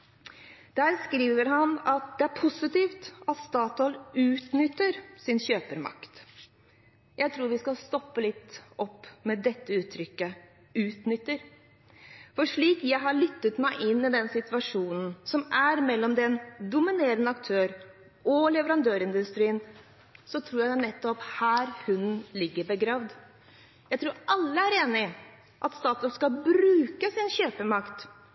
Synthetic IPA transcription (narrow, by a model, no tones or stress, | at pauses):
d̪̥æːɾskɾiːʋəɾɦɑnɑt̪̚d̪ɛæɾpʰʊsɪt̪iːft̪ɑt̪st̪ɑːt̪ɔlʉːt̪nʏt̪ːəɾsɪnɕøːpəɾmɑ̰kt̪ | jʔæɪt̪ʰɾuːɾʋɪskɑlst̪ɔpːəlɪt̪ːɔpːmɛd̪ɛt̪ːəʉːt̪ʰɾʏkːə | ʉːt̪nʏt̪ːəɾ | fɔʂɭiːkjæɪɦɑɾɭʏt̪ːət̪mæɪʔɪnːid̪ɛnsɪt̪ʋɑʂuːnn̩sɔmʔæɾmɛlːɔmd̪ɛnd̪ʊmɪneːɾənəɑkt̪ʰøːɾ | ʔɔlɛʋəɾɑnd̪øːɾɪnd̪ʉst̪ɾiːən | sɔt̪ʰɾuːjænɛt̪ːɔphæːɾhʉnlɪɡːəɾbəɡɾɑːʋd̪ | jæɪt̪ʰɾuːɾʔɑlːəæɾeːnɪ | ʔɑt̪st̪ɑːt̪ɔskɑbɾʉːkəsɪnɕøːpəmɑkt̪